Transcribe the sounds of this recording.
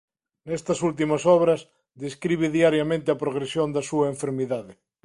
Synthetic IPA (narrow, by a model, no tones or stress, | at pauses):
nest̪ɐsult̪̬imasɔβɾɐs | ðeskɾiβeðiaɾjamẽnt̪ɪapɾoɣ̞ɾesjond̪asuaeɱfeɾmiðaðe